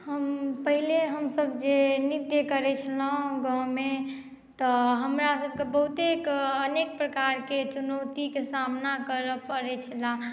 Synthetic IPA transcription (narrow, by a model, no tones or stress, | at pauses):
həmpəɦileɦəmsəbd͡ʒenit̪jəkəɾɛt͡ʃʰəlãɡãme | t̪ɔɦəmɾasəb̚kebəɦut̪ekənek̚pɾəkaɾket͡ʃunət̪ikesamnakəɾəpəɾɛt͡ʃʰəlã